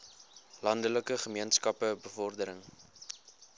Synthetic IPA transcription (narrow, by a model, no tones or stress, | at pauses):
lɐndələkəχəmiənskɐpəbəfɔrdəɾəŋ